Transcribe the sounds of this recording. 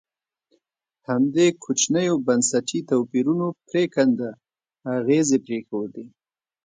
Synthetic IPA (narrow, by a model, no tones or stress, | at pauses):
hamd̪ekʰot͡ʃnəjobansaʈit̪awpiɾunopɾekand̪aː | ɣezepɾexowd̪e